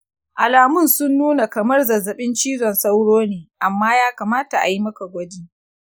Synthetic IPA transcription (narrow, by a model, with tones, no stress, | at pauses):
ʔa˨laː˨mʊ˦˨nsʊ˦nːuː˦na˨kɐ˨mɐ˦rzɐ˨zːɐ˨ɓɪ˦nt͡ʃiː˦zɔ˨nsa˦wɽoː˦neː˨ʔa˨mːaː˦jaː˦kaː˨maː˦ta˨ʔa̰˨ji˦mɐ˦ka˨ɡʷɐ˦diː˦